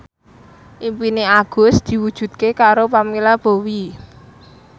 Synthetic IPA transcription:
ʔimpineaɡ̥ʊ̤sd̪̥i̤wud̥ʒ̥ṳd̪̚kekaɾopamilab̥o̤wi

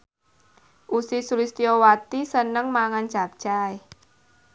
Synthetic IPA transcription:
ʔusisulist̪iɔwat̪isənəŋmaŋant͡ʃap̚t͡ʃaj

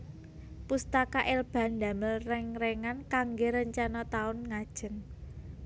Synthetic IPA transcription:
pust̪akaʔelb̥a̤nd̪a̤məlrɛŋreŋankaŋɡeɾəɲt͡ʃanɔt̪aʊnŋad̥ʒ̥ə̤n

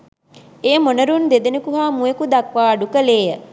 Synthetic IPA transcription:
eːmonəɾund̪ed̪enekuɦaːmuekud̪akʋaːɖukəleːjə

